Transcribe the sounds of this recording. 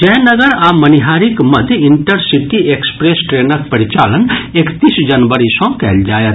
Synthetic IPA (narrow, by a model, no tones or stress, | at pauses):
d͡ʒɛɦnɐɡəɾamɐniɦaːɾikmɐd̪ʱjiɳʈəɾsiʈiekspɾesʈɾeːnəkpɐɾit͡ʃaːlənekt̪isd͡ʒɐnʋəɾisɔ̃kɛ̰ːld͡ʒaːjet̪